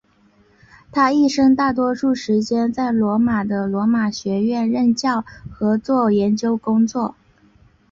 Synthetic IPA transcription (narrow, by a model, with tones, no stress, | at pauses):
t̪ʰa˥i˥˩ʂɤ˥ŋt̪a˥˩t̪̬wɔ˥ʂu˥˩ʂɻ̩˧˥t͡ɕjɛ˥nt͡sa˥˩ɪlwɔ˧˥ma˨˩d̪ə˦lwɔ˧˥ma˨˩ɕɥɛ˧˥ɥɛ˥˧nɻə˥˧nt͡ɕjɑ˥˩ʊxɤ˧˥t͡swɔ˥˩jɛ˧˥nt͡ɕjo˥ʊkʊ˥ŋt͡swɔ˥˩